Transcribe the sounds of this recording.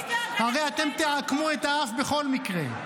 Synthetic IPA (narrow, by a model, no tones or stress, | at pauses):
haʁeat̪emt̪iʕakmuet̪aafbeχo̞lmikʁḛ